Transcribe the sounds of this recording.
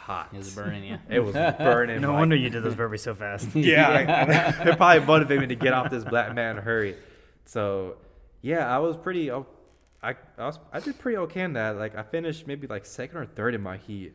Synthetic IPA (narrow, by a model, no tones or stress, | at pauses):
hɑ̰tbɜ˞ñɪt̚wʌzbɜ̃˞nɪ̃ŋnoʊwʌ̃ndə˞jɨdɨd̪ðoʊzbɜ˞bisoʊfæst̚jæaɪɨpʰɹ̥ɑblibʌ̃ɾɨvɨ̃mĩɾɨɡɛɾɔfðɪsb̥læk̚mæ̃nɦɜ˞i | soʊ | jæaɪwʌz̥pʰɹ̥ɪɾio | aɪaɪwʌz̥aɪdɨd̚pʰɹ̥ɪɾioʊkʰeɪɨ̃nðæt̚laɪkaɪfɪ̃nɨʃt̚meɪbilaɪksɛkn̩də˞θɜ˞ɾɨ̃nmaɪhit̚